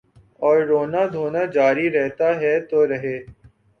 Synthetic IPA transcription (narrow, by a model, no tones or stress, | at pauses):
ɔːɾːoːnad̪ʱoːnad͡ʒaːɾiɾɛɦt̪aɦɛt̪oːɾɐɦeː